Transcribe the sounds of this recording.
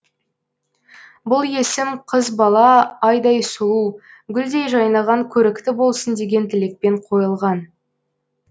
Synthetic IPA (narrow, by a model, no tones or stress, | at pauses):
bʊlˠje̞sɪmqʰəzbɑlˠɑɑjd̪ɑjsʊlˠuɡʲʏld̪e̞jʒɑjnɑʁɑŋkʲʰɵɾɪkt̪ɪbo̞lˠsənd̪e̞ɡʲe̞nt̪ʰɪle̞k̚pe̞ɴqʰo̞jəlˠʁɑn